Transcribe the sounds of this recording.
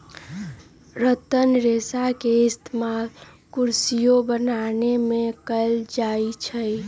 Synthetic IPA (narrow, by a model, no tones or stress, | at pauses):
ɾət̪ənɾesakeɪst̪ʰmal | kuɾsijobənanemẽkəld͡ʒait͡ʃʰəj